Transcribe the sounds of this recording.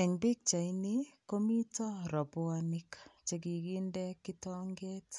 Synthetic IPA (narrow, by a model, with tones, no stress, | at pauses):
ɛ˨ŋbi˦k̚t͡ʃa˨iniko˦mi˦tɔ˦ɾɔ˨bʊ˦anɪkt͡ʃe˨ɡi˨ɡi˦ndɛ˦kitɔ˦ŋɡe˦t